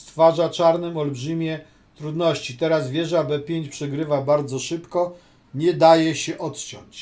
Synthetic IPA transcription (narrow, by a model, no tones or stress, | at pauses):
st̪faʐat͡ʂaɾnɘmɔlbʐɘmʲjɛ | t̪ɾud̪nɔɕt͡ɕit̪ɛɾazvʲjɛʐabɛpʲjeɲt͡ɕpʂɛɡɾɘvabaɾd̪zɔʂɘpkɔ | ɲɛd̪ajɛɕɛʔɔt̪t͡ɕɔ̰ɲt͡ɕ